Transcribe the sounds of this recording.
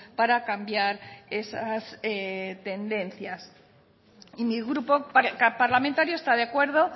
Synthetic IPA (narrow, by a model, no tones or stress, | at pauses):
paɾakambjaɾe̞saset̪e̞nd̪e̞n̟θjas | imiɣɾupokapaɾlament̪aɾjoest̪aðeakwe̞ɾð̞o̞